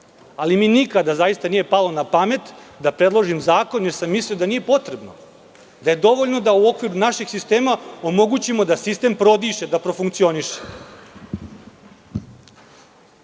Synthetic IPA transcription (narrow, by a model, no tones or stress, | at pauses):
alimiːnikad̪azajist̪anije̞palˠo̞napame̞t̪d̪apɾe̞d̪lˠoʒimzaːko̞nje̞ɾsamːisliod̪aniːje̞po̞t̪ɾe̞bno | d̪aje̞d̪o̞ʋoʎno̞d̪auo̞kʋiɾunaʃiɡsist̪e̞ːmao̞mo̞ɡut͡ɕimo̞d̪asist̪e̞ːmpɾo̞d̪iːʃe̞d̪apɾo̞fuŋkt̪sio̞niʃe̥